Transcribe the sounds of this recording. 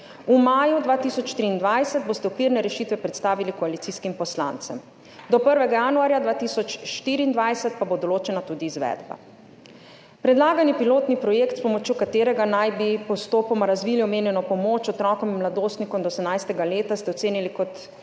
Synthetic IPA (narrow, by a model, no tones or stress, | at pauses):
umaːjud̪ʋaːt̪isɔt͡ʃʃt̪ɾiːnd̪ʋajsɛt̪̚boːst̪ɛɔkʋiɾnɛɾɛʃiːt̪ʋɛpɾɛt̪st̪aːʋilikɔalit̪siːskimpɔsla̰nt̪sɛm | d̪ɔpəɾʋɛɡajanuaːɾjad̪ʋaːt̪isɔt͡ʃʃt̪iːɾiːnd̪ʋajsɛt̪pabod̪ɔloːt͡ʃɛnat̪ud̪iːzʋɛ̰d̪ba̰ | pɾɛd̪laːɡanipiloːt̪nipɾɔjekt̪spɔmɔt͡ʃjokat̪eːɾɛɡanajbipɔst̪oːpɔmaɾazʋiːliɔmeːnjɛnɔpɔmoːt͡ʃɔt̪ɾɔkɔminmlad̪oːst̪nikɔmd̪ɔsɛmnajst̪ɛɡaleːt̪ast̪ɛɔt̪seːnilikɔt̪